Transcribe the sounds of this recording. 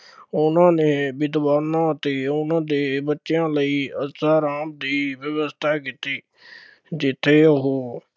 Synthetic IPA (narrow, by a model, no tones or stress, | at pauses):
ʊnãːneːbɪd̪ʋaːnãːt̪eːʊnãːd̪eːbətːʃjãːləiːəsaːɾaːmd̪iːʋjəʋəst̪ʰaːkɪt̪iː | d͡ʒɪt̪ʰːeːəɦoː